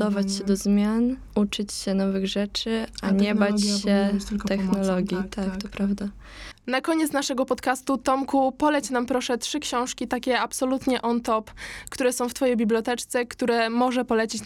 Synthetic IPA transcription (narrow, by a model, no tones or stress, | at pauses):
ɔvat͡ɕɕɛd̪ɔzmʲjan | ut͡ʂɘt͡ɕɕɛnɔvɘɣʐɛt͡ʂɘaɲɛbat͡ɕɕɛt̪ɛxnɔlɔɡʲjit̪ʰakk̪ɔpɾavd̪a | nakɔɲɛt̪snaʂɛɡɔpɔt̪kast̪ut̪ɔmkupɔlɛt͡ɕnampɾɔʂɛtʂɘkɕɔ̃w̃ʂkʲit̪akʲɛapsɔlut̪ɲɛʔɔnt̪ɔpkt̪uɾɛsɔ̃w̃ft̪fɔjejbʲibljɔt̪ɛt͡ʂt̪sɛkt̪uɾɛmɔʐɛpɔlɛt͡ɕit͡ɕ